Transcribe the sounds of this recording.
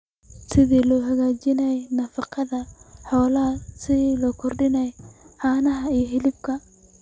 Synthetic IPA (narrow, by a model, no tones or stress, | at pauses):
sɪðiːlɔːɦɐɣaːt͡ʃɪnɐɛnɐfɑqʰɑðɐħɔːlɐsɪðiːlɔːkʰɔrɖɪnɛjħɑːnɐɦɐijɔɦɪlɪb̚kʰɐ